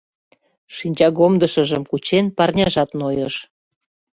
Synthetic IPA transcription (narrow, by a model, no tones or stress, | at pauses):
ʃinʲt͡ɕɑɣomd̪əʃəʒəmkut͡ɕenpɑrnʲɑʒɑt̪nojɤʃ